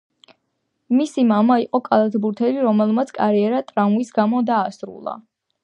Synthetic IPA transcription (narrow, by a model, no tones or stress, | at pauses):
misimamaiqʼɔkʼalˠat̪ʰbuɾt̪ʰɛliɾɔmɛlˠmat̪sʰkʼaɾiɛɾat̪ʼɾamvisɡamɔd̪aːsɾṵlˠa̰